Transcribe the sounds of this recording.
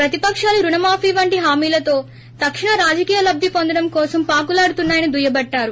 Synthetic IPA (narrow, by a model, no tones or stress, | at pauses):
pɾɐt̪ipɐkʂaːluɾuɳɐmaːpʰiːʋɐɳʈiɦaːmiːlɐt̪o̞ː | t̪ɐkʂiɳɐɾaːd͡ʒɐkiːjɐlɐb̚d̪ʱipond̪ɐɽɐmkɔːsɐmpaːk̬ulaːɽut̪unːaːjɐnid̪ujɐbɐʈːaːɾu